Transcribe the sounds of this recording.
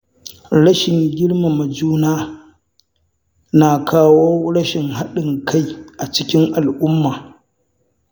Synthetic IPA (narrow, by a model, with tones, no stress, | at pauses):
ɽɐ˦ʃɪ˨ŋɡʲɪ˦ɽma˨mɐ˨d͡ʒuː˦naː˦ | na˨kʰaː˦woː˦ɽɐ˦ʃɪ˨ŋɦa˦ɗɪ˨ŋkʰa˦jʔa˨t͡ʃɪ˦kʲɪ˦ŋʔa˨lʔʊ˦mːaː˨